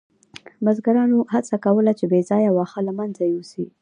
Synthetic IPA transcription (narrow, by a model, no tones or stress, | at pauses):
mazɡaɾɑnohat͡sakawəlat͡ʃebezɑjawɑxalamanzajwusi